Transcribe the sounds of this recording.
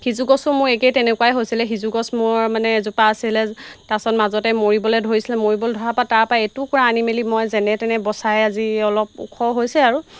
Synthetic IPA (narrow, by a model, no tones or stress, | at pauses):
hizuɡɔsʊmʊɹekejtɛnɛkuwajɦojsilɛɦizuɡɔsmʊɹmanɛzupaːsilɛtasɔnmazɔtɛmoɹibɔlɛdʱoɹisilɛmoɹibɔldʱɔɹapataɹpaetukɔɹaːnimelimɔjzɛnɛtɛnɛbɔsajaziɔlɔp̚ṵkʰɔɦojsɛaɹu